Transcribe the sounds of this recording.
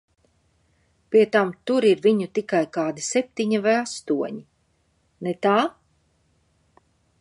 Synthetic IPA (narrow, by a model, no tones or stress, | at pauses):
pʲiɛt̪amt̪uɾiɾviɲut̪ikajkaːd̪isɛp̚ʲt̪iɲivajast̪uɔɲi | net̪aː